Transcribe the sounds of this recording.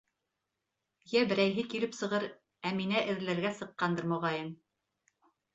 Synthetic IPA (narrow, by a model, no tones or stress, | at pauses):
jæbɘ̆ɾæjɦɘkilɘpsɤ̆ʁɤɾ | æminæʔɘ̆ðɘlæɾɡæsɤ̆qːɑnd̪ɤɾmŏʁɑjɤm